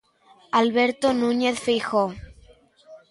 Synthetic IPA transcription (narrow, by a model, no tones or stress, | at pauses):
alβeɾt̪onũɲeθfixo